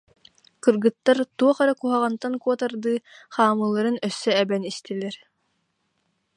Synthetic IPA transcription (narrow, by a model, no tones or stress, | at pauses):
kɯɾɡɯt̪ːaɾt̪uɔχaɾakuɦaʁant̪ankuɔt̪aɾd̪ɯːχaːmɯlˠːaɾɯnœsːœɛbɛnist̪ilɛɾ